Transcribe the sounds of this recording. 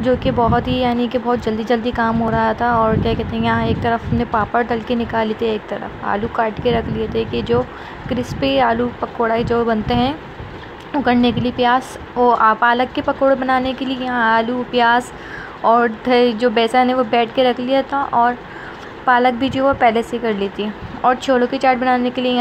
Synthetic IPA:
d͡ʒoːkebɔɦʊt̪ɦijaːnikebɔːt̪̚d͡ʒɐld̪id͡ʒɐld̪ikaːmɦoːɾɐɦat̪ʰaɔːɾkjaːkɛɦt̪ẽɦɛ̃kjɐɦãeːk̚t̪ɐɾəfɐmnẽpaːpəɾd̪ɐlkenɪkaːlit̪eːk̚t̪ɐɾə̰fa̰ːlukaːʈkeɾɐkʰliet̪ʰeked͡ʒoː | kɾɪspeaːlupɐkoːɽaːid͡ʒoːbɐnt̪eɦɛ̃ | ʊkəɽnekeliepjaːs | ʋoapaːləkːepɐkoːɽbɐnaːnekeliejɐɦãaːlupjaːs | ɔːɾt̪ɛd͡ʒoːbɛːsaɦɛnẽʋobɛːʈʰkeɾɐkʰlijat̪ʰaʔɔːɾ | paːlək̚bʱid͡ʒoːʋopɛːlesekɐɾliːt̪iɔːɾt͡ʃʰoːlõket͡ʃaːʈ̚bɐnaːnekeliej

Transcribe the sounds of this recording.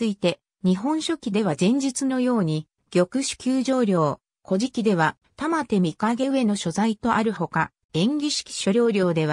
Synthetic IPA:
ɨit̪e̞ | ɲ̟iɦõ̞ɰ̃ɕo̞kʲid̪e̞β̞azẽ̞ɲ̟d͡ʑit͡sɨno̞jo̞ːɲ̟i | ɡ̥ʲo̞kɯ̟ɕi̥kʲɨːʑo̞ːɾʲo̞ː | kʰo̞ʑikʲid̪e̞β̞a | t̪amat̪e̞mʲikaɡe̞ɯ̟e̞no̞ɕo̞zait̪o̞ʔaɾɯ̟ho̞ka | ẽ̞ŋɡʲiɕi̥kʲi̥ɕo̞ɾʲo̞ːɾʲo̞ːd̪e̞β̞a

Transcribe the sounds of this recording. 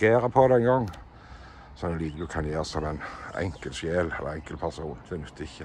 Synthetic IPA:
eːɾəpʰɔd̪ɛŋɡɔŋː | sɔɛnliːd̪nd̪ʉkʰɑnjeːʁsɔmæɪnɛ̰ŋkəlʃjeːlɛ̰lːə̰ɛŋkəlpʰæʁsuːnd̪ɛnʉt̪ːɪçːə

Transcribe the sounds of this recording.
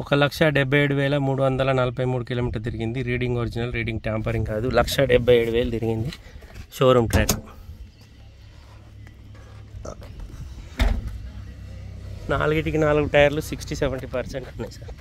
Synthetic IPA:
ɔkɐlɐkʂɐɖɛbʱːɐjeːɽuʋɛːlɐmuːɽuʋɐnd̪ɐlɐnɐlɐpɐjmuːɽukiloːmiːʈɐɾt̪̬iɾiɡind̪iɾiːɽiŋɡoːɾid͡ʒinɐlɾiːɖiŋɡʈjaːmpɐɾiŋɡkaːd̪ulɐkʂɐɖɛbʱːɐjeːɽuʋɛːlɐt̪iɾiɡind̪iʃoːɾuːmʈɾaːku | na̰ːluɡiʈikinaːluɡuʈɐjɐɾlusiksʈisɛʋeɳʈipɐɾseɳʈɐnːɐsaːɾ

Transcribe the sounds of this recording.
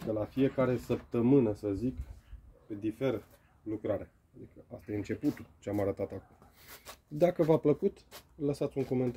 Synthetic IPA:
d̪elafije̞kaɾe̞səp̚t̪əmɨnəsəzikped̪ife̞ɾə | lukɾaɾe | ad̪ikəast̪ajeɨnt͡ʃe̞put̪ut͡ʃeamaɾət̪at̪akum | d̪akəvapləkut̪ləsat̪sʲuŋko̞me̞nt̪

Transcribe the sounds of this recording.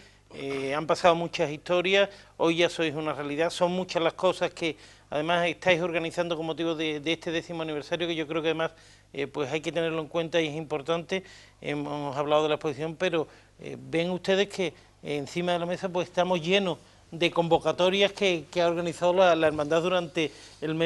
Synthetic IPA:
ampasaðomũt͡ʃasist̪o̞ɾjaso̞jʝaso̞jsunarealiðaso̞ŋmũt͡ʃazlahko̞sahke̞ | a̰ðe̞mase̞ht̪ajso̞ɾɣaniθand̪oko̞mːo̞t̪iβo̞ðed̪est̪e̞ðe̞θimoaniβ̞e̞ɾsaɾjokeʝo̞kɾeokaðe̞mas | epwe̞sajke̞t̪ene̞ɾlo̞e̞ŋkwe̞nt̪aie̞simpo̞ɾt̪ant̪e̞ | ḛmosaβlaoð̞elae̞hpo̞siθjo̞mpe̞ɾo̞ | ḛbe̞ŋust̪e̞ð̞e̞hke̞ | n̟θimaðe̞lamesap̬weseht̪amo̞zʝe̞nos | d̪eko̞mbo̞kat̪o̞ɾjahke̞keaoɾɣaniθaðolalaeɾmãnd̪aðuɾant̪e̞ːlme

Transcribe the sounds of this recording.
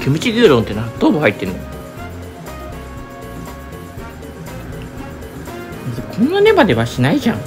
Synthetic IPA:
kʲʰemɯ̟t͡ɕiɡʲɨːɾõnt̪ːenat̪oːbohait̪ːẽ̞nːo | zekʰõ̞nːane̞bad̪e̞βaɕinaiʑã̰ŋ

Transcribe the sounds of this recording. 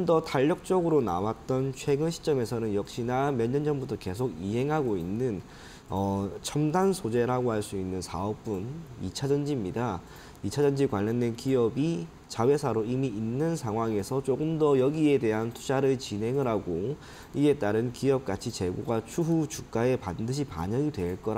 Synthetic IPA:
ɯmdʌtaʎːʌk̚t͡ɕ͈ʌɡɯɾona̰wat̚t͈ʌnt͡ɕʰwe̞ɡɯnɕʰi̥t͡ɕ͈ʌme̞sʰʌnɯnjʌk̚ɕ͈inamjʌɲʌnd͡ʑʌnbutʰʌke̞sʰoɡiɦe̞ŋɦaɡoinːɯn | ʌt͡ɕʰʌmdansʰod͡ʑe̞ɾaɡoɦaɭs͈uinːɯnsʰaʌp̚p͈unit͡ɕʰad͡ʑʌnd͡ʑimɲida | it͡ɕʰad͡ʑʌnd͡ʑikwaʎːʌndwe̞nkiʌbi | t͡ɕawe̞sʰaɾoimiinːɯnsʰaŋɦwaŋe̞sʰʌt͡ɕ͈oɡɯmdʌjʌɡie̞de̞ɦantʰu̥d͡ʑʰaɾɯɭt͡ɕinɦe̞ŋɯɾaɡo | ie̞t͈aɾɯnkiʌp̚k͈at͡ɕʰit͡ɕe̞ɡoɡwat͡ɕʰuɦut͡ɕuk̚k͈ae̞pandɯɕ̬ʰipa̰ɲʌŋidwe̞ɭk͈ʌɾ

